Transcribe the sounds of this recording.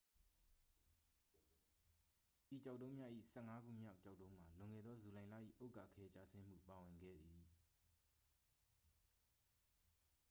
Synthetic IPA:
ʔi˨t͡ɕa˦˨ʊʔtːõ˦mja˦ʔḭ˦˨sɛ˦˨ŋa˦ɡṵ˦˨mja˦ʊt͡ɕa˦ʊtːõ˦ʊ̃m̥a˨lʊ̃˨ŋɛ̰˦˨d̪ɔ˦zu˨lã˨ɪ̃lä̰˦˨ʔḭ˦˨ʔo˦ʊka̰˨kʰɛ˦t͡ɕa̰˨sɪ̃˦m̥ṵ˦˨pa˨wɪ̃˨ŋɡɛ̰˦˨d̪i˨

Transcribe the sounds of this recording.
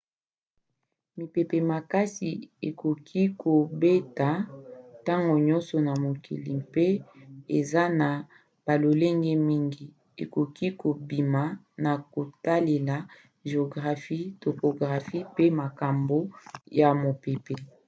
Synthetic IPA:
mi˨pe˨pe˨ma˨ka˦si˨e˨kʰo˨kʰi˦kʰo˨be˦ta˨ta˦ŋɡo˨ɲɔ˦nsɔ˨na˨mo˨kʰḭ˨lḭ˨mpe˦e˨za˦na˨ | b̥a˨lo˨le˦ŋɡɛ˦mi˦ŋɡi˨ | ḛ˨ko˨ki˦ko˨bi˨ma˨ | na˨ko˨ta˦le˨la˨ | ʒe˨o˨ɡʁa˨fi˦tɔ˨po˨ɡʁa˨fi˦pe˦ma˨ka˨mbo˦ja˨mo˨pe˨pe˨

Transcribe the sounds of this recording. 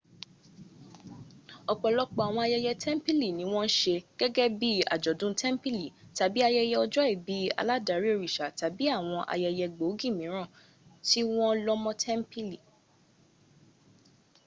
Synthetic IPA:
ɔ˨k͡pɔ˨lɔ˦k͡pɔ˨a˨w̃ɔ̃˧a˧jɛ˧jɛ˧tʰɛ˦m̩˦pi˦li˦˨nĩ˨˦w̃ɔ̃˦n̩˦ʃe˧ɡ̥ɛ˦ɡɛ˦bi˦a̰˨d͡ʒɔ˨dũ˦tʰɛ˦m˦pi˦li˨ta˨bi˦a˧jɛ˧jɛ˧ɔ˧d͡ʒɔ˦e˦˨bi˨˦a̰˧la˦da˨˦ɾi˦o˦˧ɾi˨ʃa˨ta˨˦bi˦a˦˨w̃ɔ̃˧ʔa̰˧jɛ˧jɛ˧ɡ͡bo˨˦ɡĩ˦˨mĩ˨˦ɾ̃ã˦˨ | ti˦w̃ɔ̃˦lɔ˦mɔ̃˦tʰɛ˦m˦pi˦li˨

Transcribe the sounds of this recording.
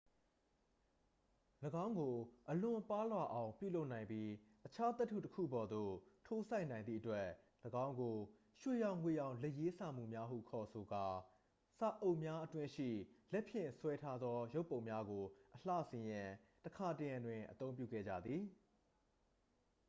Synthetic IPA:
ləɡã˦ʊ̃ŋɡo˨ʔəlʊ̃˨pa˦lwa˨ʔã˨ʊ̃mpjṵ˦˨lo˦ʔnã˨ɪ̃mpji˦ʔət͡ɕʰa˦t̪ɛ˦tʰːṵ˦˨təkʰṵ˦˨bɔ˨d̪o̰˦˨tʰo˦sʰa˦ɪnã˨ɪ̃nd̪ḭ˦˨ətwɛ˦ | ləɡã˦ʊ̃ŋɡo˨ | ʃwe˦˨jã˦˨ʊ̃ŋwe˦˨jã˦˨ʊ̃lɛ˦˨ʔje˦sa˨m̥ṵ˦˨mja˦ɦṵ˦˨kʰɔ˨so˨ɡa˨ | sa˦˨ʔo˦˨ʔmja˦ʔətwɪ̃˦ʃḭ˦˨lɛ˦ʔpʰjɪ̰̃˦˨swɛ˦tʰa˦d̪ðɔ˦jo˦ʊpːõ˨ʊ̃mja˦ɡo˨ʔəl̥a̰˦˨sɪ̃˨jã˨təkʰa˨tə˨jã˨ndwɪ̃˨ʔət̪õ˦ʊ̃mp̬jṵ˦˨ɡɛ̰˦˨d͡ʑä̰˦˨d̪ði˨

